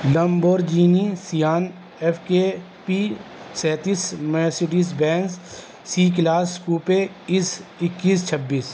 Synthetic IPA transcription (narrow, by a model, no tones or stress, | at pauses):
lɐmboːɾd͡ʒiːnisijaːn | efʰke | pisɛːt̪ismɛːseɖis̬bɛ̃ːnz | siːk̬laːskuːpe | ɪsɪkːiːst͡ʃʰɐbːiːs